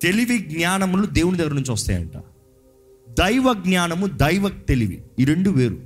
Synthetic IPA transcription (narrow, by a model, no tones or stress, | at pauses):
t̪e̞liʋiɡɲaːnɐmlud̪e̞ːwunid̪ɐɡɐɾɐnuɲt͡ʃiʋɐst̪a̰ːjɐ̰ɳʈa̰ː | d̪ɐjʋɐɡɲaːnɐmud̪ɐjʋɐk̚t̪e̞liʋḭiɾe̞ɳɖuʋeːɾu